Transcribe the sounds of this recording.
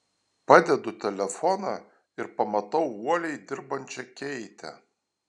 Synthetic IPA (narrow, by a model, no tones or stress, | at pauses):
pɑd̪ʲɛd̪ʊt̪ʲɛlʲɛfɔnɐ | ɪɾpɐmɐt̪ɐwwoːlʲɛjd̪ɪɾbɐnʲt͡ʃɛkʲːɛit̪ʲʰɛ̰